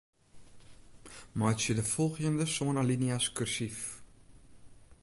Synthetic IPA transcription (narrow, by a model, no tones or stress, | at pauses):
mɑːjsədəfɔlˠχiəndəsoːnɐliniɐskœrsif